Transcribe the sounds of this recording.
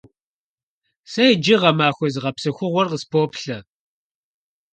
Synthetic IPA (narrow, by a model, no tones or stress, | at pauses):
sɐjd͡ʒɪʁɐmaːxʷɔzʁɐpsɨxʷʊʁʷɔrqəspʰoːpɬɐ